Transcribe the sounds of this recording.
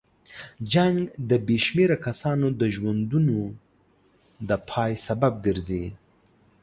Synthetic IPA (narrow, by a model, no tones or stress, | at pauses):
d͡ʒaŋɡd̪əbeʃmeɾakasɑnod̪əʒwand̪uno | d̪əpʰɑjsabab̚ɡəɾzi